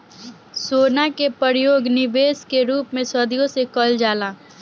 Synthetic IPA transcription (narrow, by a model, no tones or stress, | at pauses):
soːnakepəɾjoːɡnɪʋeːskeɾuːpmẽsəd̪ijõsekəld͡ʒaːlaː